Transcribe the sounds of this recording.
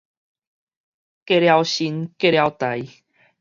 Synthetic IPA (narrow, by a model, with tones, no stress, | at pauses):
ke˥˧˨ɾja˧wɕi˧nke˥˧ɾja˧wt̪a˨˦j